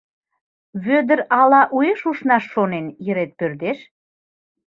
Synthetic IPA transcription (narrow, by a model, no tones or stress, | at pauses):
βød̪ə̆ɾɑlɑʔueʃuʃnɑʃːonenjə̆ɾet̪̚pørd̪eʃ